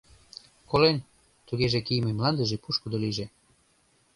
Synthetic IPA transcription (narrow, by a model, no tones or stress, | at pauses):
kolen | t̪uɣeʒekijmemlɑnd̪ə̆ʒepuʃkud̪oliʒe